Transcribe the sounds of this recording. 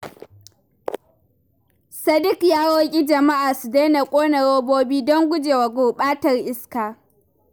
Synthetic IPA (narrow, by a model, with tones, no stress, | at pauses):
sɐ˦dɪ˦kjaː˦ɽoː˦kʲʼi˦d͡ʒɐ˨ma˦ʔaː˨su˨de˦na˨kʷʼoː˦na˨ɽoː˦boː˦biː˦dɔ˦ŋɡʷʊ˦d͡ʒeː˨wa˨ɡʷoː˨ɓaː˦tɐ˨rʔɪ˦skaː˨